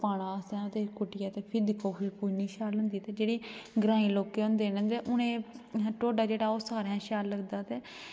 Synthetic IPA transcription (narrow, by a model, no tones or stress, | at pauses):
paːɽ̃ãːəsãːd̪eːkʊʈɪjaːt̪eːpʰɪd̪koːfiːkoiniːʃaːlɦʊ̃nd̪iːt̪eːd͡ʒeːɽeːɡɾãːĩːloːkeːʊ̃nd̪eːnə̃nd̪eːʔʊnẽːʈoːɖaːd͡ʒeːɽaːoːsaːɾãːʃaːlːəɡd̪aːt̪eː